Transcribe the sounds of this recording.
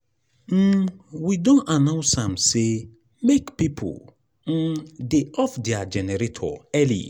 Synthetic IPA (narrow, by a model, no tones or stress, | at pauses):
m̩widõnanãʊnsãmse | mekpipʰo̰l | m̩deʔɔfdead͡ʒɛnɛɾetʰɔ̰ɛlḭ